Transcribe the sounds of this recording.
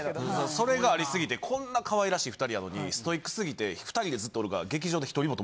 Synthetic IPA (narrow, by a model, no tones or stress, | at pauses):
ɯ̃ːoso̞ɾe̞ɡaːɾʲisɨɡʲit̪e̞kʰõ̞nːakaβaiɾaɕiːɸɯ̟t̪aɾʲiano̞ɲ̟ḭsɨ̥t̪o̞ikːɯ̥sɨɡʲit̪e̞ɸɯ̟̥aɾʲid̪e̞zɨt̪ːoɾɯ̟ɡa̰ɡe̞kʲiʑo̞ːd̪e̞çi̥t̪o̞ɾʲimot̪o